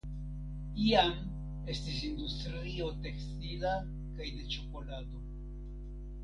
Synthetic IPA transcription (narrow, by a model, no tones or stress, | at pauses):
iam | e̞st̪is̬ind̪ust̪ɾ | io̞t̪ekst̪ila | kajd̪e̞t͡ʃokolad̪o̞